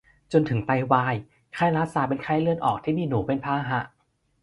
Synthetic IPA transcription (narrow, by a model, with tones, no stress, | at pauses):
t͡ɕo˧nt̪ʰɯ˩˦ŋt̪a˧jwaː˧j | kʰaː˧˩jɾaː˦˥saː˨˩˦pe˧nkʰaː˧˥˩jlɯ˧ənʔɔ̰ː˨˩k̚t̪ʰiː˥˩miː˧nuː˩˦pe˧npʰaː˧˥˧ɦa˧˦˥ʔ